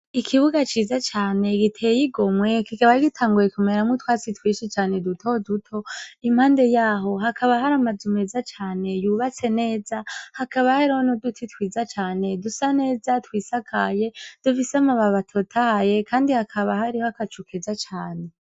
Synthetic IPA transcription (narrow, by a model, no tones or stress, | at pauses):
ikʰiβuɡat͡ʃiːzat͡ʃaːne̞ɡitʰejiɡo̞mŋwe̞kikaβaiɡitʰaːŋɡujekumeɾamŋutwaːt͡sitwiːʃit͡ʃaːne̞dutʰodutʰo̞im̥haːnde̞jaːɦo̞ɦakʰaβaɦaɾamazume̞zat͡ʃaːne̞juβat͡se̞ne̞ːzahakʰaβahaɾaonodutʰitwiːzat͡ʃaːne̞dusane̞ːzatwiːsakʰaje̞d̥ufisamaβaβatʰo̞tʰaje̞kʰaːndihakʰaβahaɾihoakat͡ʃukʰezat͡ʃaːne̞